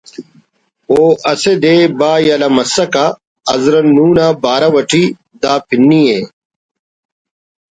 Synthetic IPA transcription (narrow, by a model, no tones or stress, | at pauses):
oːʔɐsed̪eːbaːjɐlɐmɐsɐka | ɐ̰zɾɐnːuːnabaːɾɐwɐʈʰi | d̪aːpʰinːie